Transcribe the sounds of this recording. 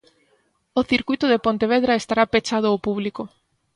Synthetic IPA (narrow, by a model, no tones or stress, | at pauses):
oθiɾkuijt̪ʊðepont̪eβ̞eðɾaest̪aɾapet͡ʃað̞ʊopuβliko